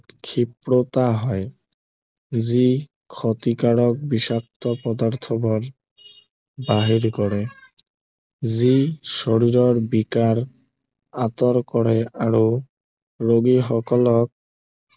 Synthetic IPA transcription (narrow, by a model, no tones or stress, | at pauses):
kʰipɽot̪aɦɔe | zi | kʰɔt̪ikaɽɔk̚biʃak̚t̪ɔpɔd̪aɾt̪ʰɔbɔɾ | baɦiɾkɔɽe | ziʃoɽiɾɔɾbikaɾ | at̪ɔɾkɔɽeaɾo | ɾoɡiɦɔkɔlɔk̚